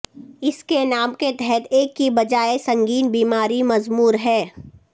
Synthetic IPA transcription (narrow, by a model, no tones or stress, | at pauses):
ɪskenaːmket̪ɛɦɛt̪eːkːibɐd͡ʒaːesɐ̃ŋɡiːnbiːmaːɾimɐzmuːɾɦɛː